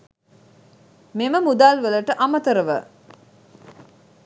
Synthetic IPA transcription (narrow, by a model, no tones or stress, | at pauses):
meməmud̪aːlʋələʈəʔamət̪əɾəʋə̰